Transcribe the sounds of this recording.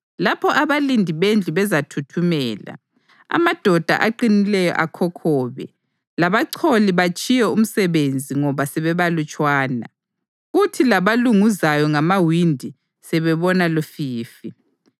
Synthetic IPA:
lapʰɔʔaβalindʱiβend͡ɮʱiβɛzatʰutʰumɛːla̰ | a̰mad̥ʱɔd̥ʱa̰ʔaǃinilɛjɔ̰ʔakʰɔkʰɔːβɛ̰ | laβaǀʰoliβat͡ʃʼijɛum̩sɛβend͡zʱiŋɔβasɛβɛβalut͡ʃʼwaːna̰ | ɣutʰilaβaluŋuzajɔŋamawindʱi | sɛβɛβɔnalofiːfi

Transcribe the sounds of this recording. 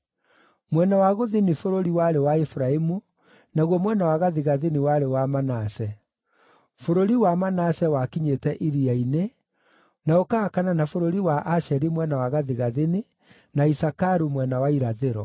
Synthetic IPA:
mwɛnawaɣoðenifoɾoɾiwaɾewaefuɾaemu | naɣwɔmwɛnawaɣaðiɣaðeniwaɾewamanasɛ | foɾoɾiwamanasɛwakiɲetɛʔiɾiaine | naokakananafoɾoɾiwaʔaʃɛɾimwɛnawaɣaðiɣaðeni | naisakaɾumwɛnawaiɾaðeɾɔ

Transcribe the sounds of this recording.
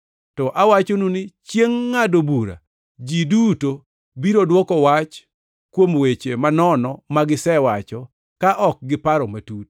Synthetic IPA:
tɔʔawat͡ʃonunɪt͡ʃjeŋːadobuɾa̰ | d͡ʒiduto | biɾodwɔkɔwat͡ʃ | kwomwet͡ʃemanɔnɔmaɡɪsɛwat͡ʃɔ | kaʔɔk̚ɡɪpaɾɔmatut

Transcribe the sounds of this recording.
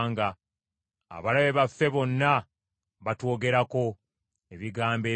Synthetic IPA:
ŋɡa | a̰βalaβe̞βafːe̞βo̞nːa | βatwo̞ːɡe̞ɾako̞ | eβiɡaːmbeː

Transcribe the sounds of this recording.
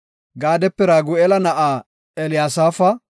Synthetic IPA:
ɡaːd̪ɛpːɪɾaːɡʊɛlɐnɐʔaː | ɛlɪjaːsaːfɐ

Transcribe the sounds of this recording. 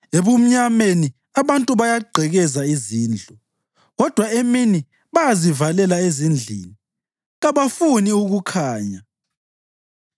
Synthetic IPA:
eβum̩ɲameni | aβantʼuβajaɡ͡ǃʱɛɣɛzaiziːnd͡ɮʱɔ | ɣɔd̥ʱwaemini | βajazivalɛlaezind͡ɮʱḭːni | ɣaβafuniuɣukʰaːɲa

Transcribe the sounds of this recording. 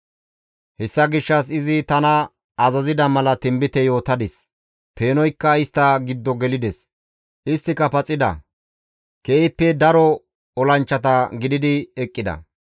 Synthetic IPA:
hɛsːɐɡɪʃːɐs̬ɪzɪt̪ɐnɐ | ɐzɐzɪd̪ɐmɐlɐt̪ɪmbɪt̪ɛjo̞ːt̪ɐd̪ɪs | pe̞ːnɔjkːɐɪst̪ːɐɡɪd̪ːɔɡɛlɪd̪ɛs | ʔɪst̪ːɪkɐpɐt͡sʼːɪd̪ɐ̰ | keɪpːɛd̪ɐɾɔ | ɔlɐnt͡ʃːɐt̪ɐɡɪd̪ɪd̪ɪɛkʼːɪd̪ɐ̰

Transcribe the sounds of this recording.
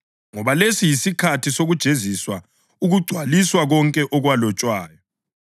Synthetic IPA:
ŋɔβalesijisikʰatʰisoɣud̥ʒ̥ʱeziswa | uɣuɡ͡ǀʱwaliswaɣɔŋkʼɛʔɔɣwalɔt͡ʃʼwaːjɔ

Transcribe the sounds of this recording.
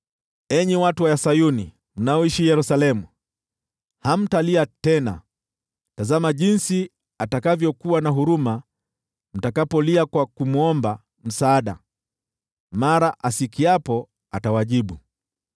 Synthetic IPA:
ɛɲiwatuwajasajuni | m̩naɔiʃijɛɾusalɛmu | ham̩taliatɛna̰ | tazamaʄinsi | atakavjɔkuwanaɦuɾuma | m̩takapɔliakwakumuɔmba | m̩saːɗa̰ | maɾaʔasikiapɔ | atawaʄiɓu

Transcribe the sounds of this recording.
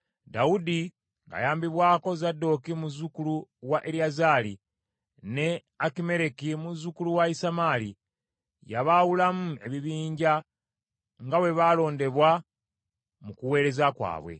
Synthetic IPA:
daudi | ŋɡa̰jaːmbiβwaːko̞zadːo̞kimuzukuluwaʔeɾiazaːlḭ | ne̞ | akime̞ɾekimuzukuluwaisamali | jaβawulamue̞βiβiːɲɟa | ŋɡawe̞βalo̞ːnde̞βwa | mukuwe̞ːɾe̞zakwa̰ːβwe̞̰

